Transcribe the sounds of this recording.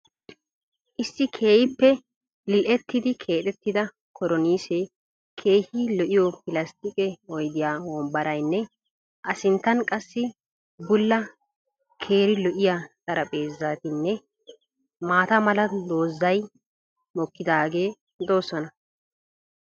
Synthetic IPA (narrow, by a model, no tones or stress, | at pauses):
ʔɪsːɪkʰe̞ːjɪpːɛ | lɪlʔɛt̪ːɪd̪ɪkʰe̞ːt̪ʼɛt̪ːɪd̪ɐ | kʰɔɾɔniːsɛ | kʰe̞ːhiːlɔʔɪjɔpɪlɐst̪ɪkʼɛɔjd̪ɪjaːwɔmbɐɾɐjnːɛ | ʔɐsɪnt̪ːɐnkʼɐsːɪ | bʊlːɐ | kʰe̞ːɾɪlɔʔɪjaːsʼɐɾɐpʼeːzːaːt̪ɪnːɛ | maːt̪ɐmɐlɐd̪o̞ːzːɐj | mɔkːɪd̪aːɡe̞ː | d̪o̞ːsɔnɐ